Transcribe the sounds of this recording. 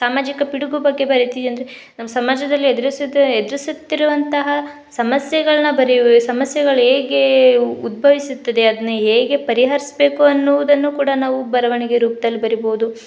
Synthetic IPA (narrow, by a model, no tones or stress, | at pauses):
saːmaːd͡ʒikɐpiɽuɡubɐɡːe̞bɐɾit̪id̪iɐnd̪ɐɾe | nɐmːɐsɐmaːd͡ʒɐd̪ɐlːied̪ɾisd̪ed̪ɾisut̪ːiɾuʋɐnt̪ɐɦɐ | sɐmɐsjɐɡɐɭɐnɐbɐɾisɐmɐsjɛɡɐɭɦeːɡeud̪̚bʱɐʋisut̪ːɐd̪e̞ɐd̪ɐnːuɦeːɡe̞pɐɾiɦɐɾisbe̞ːkuɐnːɔʋud̪ɐnːukuːɽɐnaːʋubɐɾɐʋɐɳiɡe̞ɾuːpɐd̪ɐlːibɐɾibo̞ːud̪u